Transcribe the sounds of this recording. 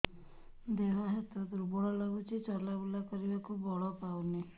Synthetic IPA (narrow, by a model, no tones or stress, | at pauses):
d̪eɦaɦet̪ɔd̪uɾubɔɦɔlɔɡut͡ʃit͡ʃɔɾlabulakɔɾibakubɔɭɔpawni